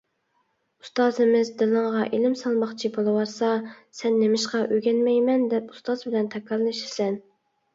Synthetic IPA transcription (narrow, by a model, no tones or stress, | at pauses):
u̥st̪ɑːzɪmɪzd̪ɨlˠɨɴʁɑʔelɪmsɑlˠmɑχt͡ʃʰibolˠɨwɑɾsɑsɛnːemɪʃqɑʔøɡʲɛnmɛjmɛnd̪ɛpu̥st̪ɑzbɪlɛnt̪ʰɛkʰːɑlnɨʃiɾsɛn